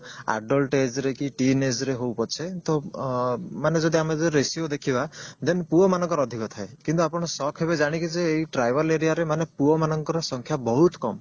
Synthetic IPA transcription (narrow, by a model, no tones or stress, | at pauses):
a̰ɖɔlʈed͡ʒɾekiʈined͡ʒɾeɦowpɔɾt͡ʃʰet̪ɔ | maned͡ʒɔd̪iamed͡ʒɾesjod̪ekʰibad̪enpuɔmanɔ̃ŋkɔɾɔːd̪ʱikɔt̪ʰaekint̪uapɔɽ̃ɔsɔkʰɦebed͡ʒaɽ̃ikid͡ʒeːjʈɾajbʱɔleɾiaɾemanepuɔmanɔŋkɔɾɔsɔŋkʰjabɔɦut̪kɔm